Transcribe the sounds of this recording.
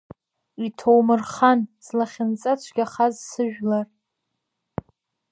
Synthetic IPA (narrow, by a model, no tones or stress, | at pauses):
itʰowmɨrχanzlaχʲɪnt͡sʼat͡ʃʷʰɡʲaχazsɨʒᶣlar